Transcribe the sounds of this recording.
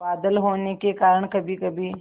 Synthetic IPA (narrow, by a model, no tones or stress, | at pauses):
baːd̪əlɦoːnekekaːɾəɽ̃kɐbʱikɐbʱi